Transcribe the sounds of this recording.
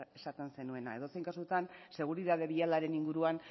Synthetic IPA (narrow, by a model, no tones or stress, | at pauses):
e̞sat̪e̞nse̞nue̞na̰e̞ðo̞se̞jŋkasuet̪anse̞ɣ̞uɾiðað̞e̞βialaɾe̞niŋɡuɾuan